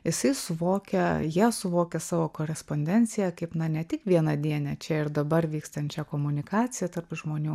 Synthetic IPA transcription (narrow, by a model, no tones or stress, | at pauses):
jɪsɐɪsʊʋoːkʲɛjiɛsʊʋoːkʲɛsɑːʋoːkoːɾʲɛspoːnʲd̪ʲɛnʲt͡s̪ʲɪjɛkɐɪpnɐnʲɛt̪ʲɪkʋʲiɛnɐd̪ʲiɛnʲɛt͡ʃʲɛɪɾd̪ɐbɐrʋʲiːkst̪ɐnʲt͡ʃʲɛkoːmʊnʲɪkɑːt͡s̪ʲɪjɛt̪ɐrpʒmoːnʲuː